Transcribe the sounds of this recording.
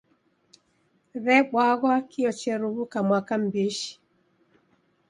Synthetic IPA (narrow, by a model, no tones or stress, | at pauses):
ɾɛɓwaɣwakiɔt͡ʃɛɾuβukamwakam̩biʃi̥